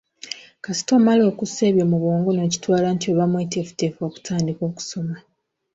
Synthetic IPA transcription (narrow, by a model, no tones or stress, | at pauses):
kasi̥tomalo̞ːkuse̞ːβjomuβoːŋɡono̞ːci̥twaːlantioβamwetefu̥teːfo̞ːku̥tʰaːndiko̞ːku̥so̞ma